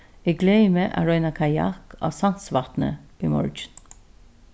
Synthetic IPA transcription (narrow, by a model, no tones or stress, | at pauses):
ɛɡleɪmeʔa̰ɹœʏnakʰɑjɑ̰kɑ̰ːsɑnsʋɑt̪nə̰iːmɔ̰ɹd͡ʒn